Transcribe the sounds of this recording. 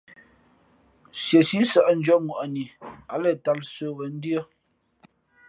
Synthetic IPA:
sje˨si˦sə˦˨ʔn̩˦d͡ʒɔ˦ŋwʔa˨ni˨a˨˦lə˦˨ta˦lsə˦˨ɣə˨˦n̩˦djə˦

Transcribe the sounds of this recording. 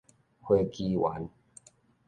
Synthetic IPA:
hweː˧ki˧wa̰˨˦n

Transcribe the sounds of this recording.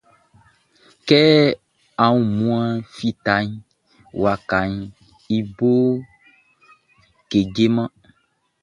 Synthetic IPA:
kɛ˦ | ã˨wũ˦˨mũ˦a˦fi˦t̪a˨˦ɲ˦ | wa˨ka˨ɲ | i˦bo˦ | ke˨ɡe˦mã˦

